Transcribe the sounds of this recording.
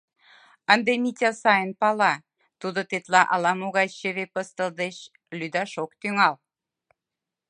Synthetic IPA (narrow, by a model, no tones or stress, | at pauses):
ənd̪emitʲɑsɑjənpɑlɑ | t̪ud̪ot̪et̪lɑʔɑlɑmoɣɑjɕeβepəst̪ə̆ld̪eɕ | lyd̪ɑʃokt̪yŋɑl